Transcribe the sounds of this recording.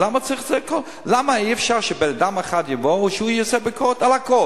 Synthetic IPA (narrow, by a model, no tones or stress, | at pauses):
lamat͡sʁiχzɛkʰɔ | lamaiɛfʃaʁʃəbenadamaχadjəvoʃəujot͡sɛbɪkʰɔtalakɔ